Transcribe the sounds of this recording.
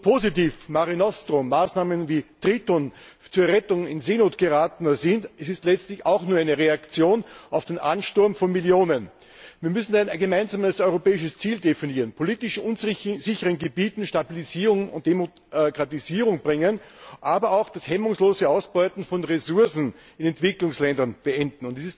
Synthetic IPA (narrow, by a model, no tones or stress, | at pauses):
pʰozitiːfmaʁinɔstʁomaːsnaːmənviːtʁiːtont͡suɐɛʁɛtʊŋɪnzeːnoːtɡ̥əʁaːtənɐzɪntʔɛsɪstlɛt͡stlɪçaʊxnuːɐæɪnəʁeakt͡sjoːnaʊfd̥enʔa̰nʃtʊɐmfɔnmiljoːnən | viːɐmʏsn̩aɪnɡəmaɪnzaːməsɔʏʁopɛːɪʃəst͡siːldefiniːʁənpʰoliːtɪʃʔʊnzz̥ɪçəʁənɡəbiːtn̩ʃtabiliziːʁʊŋʊ̰nt̚d̥emo | kʁ̥atiziːʁʊŋbʁɪŋənʔaːbɐaʊxd̥ashɛmʊŋsloːzəaʊsb̥ɔʏtn̩fɔnʁezʊɐsn̩ | ɪnɛntv̥ɪklʊŋslɛndɐnb̥əʔɛndn̩ʊntdisɪs